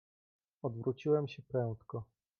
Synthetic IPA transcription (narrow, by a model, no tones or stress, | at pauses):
ɔd̪vɾut͡ɕiwɛmɕɛpɾɛ̃w̃t̪kɔ